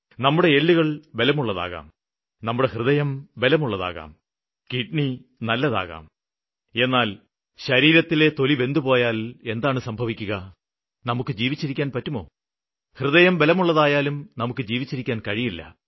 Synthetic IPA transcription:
nɐmːuɽe̞eɭːiɣɐɭbe̞lɐmuɭːɐða̰ːɣa̰ːm | nɐmːuɽe̞hrɨðɐjɐmbe̞lɐmuɭːɐða̰ːɣa̰ːm | kiʈɳinɐlːɐða̰ːɣa̰ːm | e̞nːaːl | ɕɐɾiːɾɐt̪ːile̞t̪o̞liʋe̞nd̪upo̞ːjaːle̞nd̪aːɳɨsɐmbʱɐʋikʲːuɣɐ | nɐmukːɨd͡ʑiːʋit͡ɕːiɾikʲːaːnpɐtːumo̞̰ː | hrɨðɐjɐmbelɐmuɭːɐðaːjaːlumnɐmukːɨd͡ʑiːʋit͡ɕːiɾikʲːaːnkɐɻijilːɐ̰

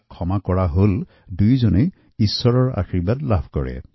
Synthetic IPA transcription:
kʰɔmakɔɹaɦol | dujzone | isːɔɹɔɹa̰xɹibadlabʰʱkɔ̰ɹɛ̰

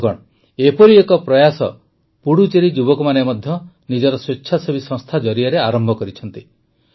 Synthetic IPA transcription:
kɔ̰ɽ | epɔɾiekɔpɾɔjasɔ̰ | puɽut͡ʃeɾid͡ʒubɔkɔmanemɔd̪ʱjɔ | nid͡ʒɔɾɔswetːʃʰasɔbisɔ̃ŋst̪ʰad͡ʒɔɾiaɾeaɾɔmbʱɔkɔɾit͡ʃʰɔnt̪i

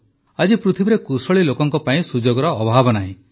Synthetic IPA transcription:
ad͡ʒipɾut̪ʰibiɾekusɔɭilokɔŋkɔpaĩsud͡ʒoɡɔɾɔːbʱabɔnaɦĩ

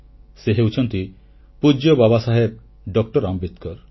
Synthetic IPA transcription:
seɦewt͡ʃʰɔnt̪i | pud͡ʒɔbabasaɦeb̚ | ɖɔk̚ʈɔɾambit̪kɔɾ

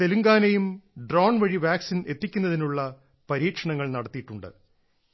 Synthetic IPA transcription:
t̪eluŋɡaːnɐjumɖroːɳʋɐɻiʋaːksine̞t̪ːikʲːunːɐðinuɭːɐ | pɐɾiːkʂɐɳɐŋːɐɭnɐɽɐt̪ːijiʈːuɳɖɨ̰

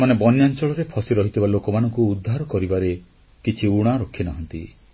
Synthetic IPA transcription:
manebɔnjant͡ʃɔɭɔɾepʰɔsiɾɔɦit̪ʰibalokɔmanɔŋkuːd̪ʱːaɾɔkɔɾibaɾe | kit͡ʃʰiuɽ̃aɾɔkʰinaɦɔnt̪i

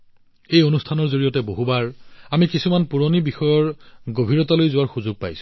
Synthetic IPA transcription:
ejonustʰanɔɹzoɹijɔtɛboɦubaɹamikisumanpuɹonibixɔjɔɹɡobʱiɹɔtalojzʊwaɹxuzʊɡ̚pa̰jsʊ̥̃

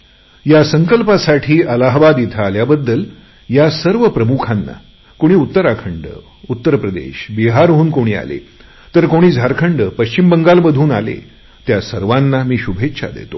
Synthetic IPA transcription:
jasəŋkəlpasaʈʰiːʔəlaɦʋad̪it̪ʰaːljabəd̪ːəl | jasəɾʋəpɾəmukʰanːa̰ | koɽ̃iːut̪ːəɾakʰəɳɖə̰ | ut̪ːəɾpɾəd̪ḛɕbiɦaɾɦoːnkoɽ̃iːa̰lḛ | t̪əɾkoɽ̃iːd͡zʱaɾkʰəɳɖəpəɕt͡ɕimbəŋɡalbəd̪ʱuːna̰lḛ | t̪jasəɾʋanːamiːɕubʱetːɕʰa̰d̪ḛt̪o

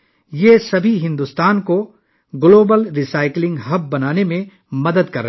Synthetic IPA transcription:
jeːsɐbʱiɦɪ̃nd̪ust̪aːnko | ɡloːbəlɾisaːɪklɪ̃ŋɡɦɐb̚ːɐnaːnemẽ | mɐd̪əd̪kɐɾːɐɦ

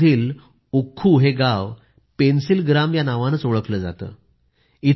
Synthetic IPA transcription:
iːl | ukʰːuːɦeɡaʋ | pensilɡɾamjanaʋanət͡soɭəkləːd͡za̰t̪ə̰ː | i

